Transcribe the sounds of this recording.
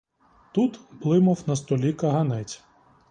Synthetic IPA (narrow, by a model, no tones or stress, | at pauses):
t̪ut̪blˠɪmɐwnɐst̪ɔlʲikɐɦɐnɛt͡sʲ